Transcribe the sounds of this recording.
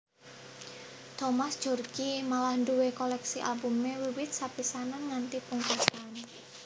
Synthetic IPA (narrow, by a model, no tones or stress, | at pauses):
t̪ɔmasd̥ʒ̥ɔrɡimalahɳɖuwekɔlɛksiʔa̰lbumːewiwɪt̪̚sapisananŋant̪ipuŋkust̪an